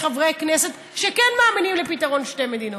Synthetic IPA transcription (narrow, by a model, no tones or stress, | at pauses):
χɐvʁeknɛsɛt̪ | ʃekɛnmaːminimlepit̪ɐʁonʃt̪ɛmed̪ino